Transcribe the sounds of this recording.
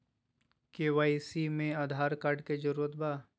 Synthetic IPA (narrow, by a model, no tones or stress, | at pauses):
keːʋaːisimẽaːd̪ʱaːɾkaːɾɖked͡ʒəɾuːɾət̪baː